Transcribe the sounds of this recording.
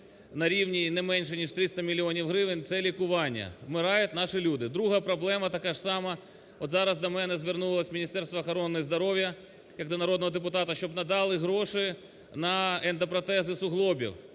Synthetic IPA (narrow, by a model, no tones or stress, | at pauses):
nɐɾʲiwnʲinɛmɛnʲʃɛnʲiʃt̪ɾɪst̪ɐmʲilʲiɔnʲiwɦɾɪʋɪnʲt̪sɛlʲikʊʋɑnʲːɐ̰mɪɾɑjʊt̪ʲnɑʃɪlʲud̪ɪd̪ɾuɦɐpɾɔblˠɛmɐt̪ɐkɑʒsɑmɐ | ɔt̪zɑɾɐzd̪ɐmɛnɛzʋɪrnulˠɐsʲmʲinʲist̪ɛɾst̪ʋɐxɔɾɔnːɔjizd̪ɔɾɔwʲjɐ | jɐk̚d̪ɐnɐɾɔd̪nɔɦɔd̪epʊt̪ɑt̪ɐʃt͡ʃɔbnɐd̪ɑlˠɪɦɾɔʃɪ | nɐɛnt̪ɐpɾɔt̪ɛzɪsʊɦlˠɔbʲḭw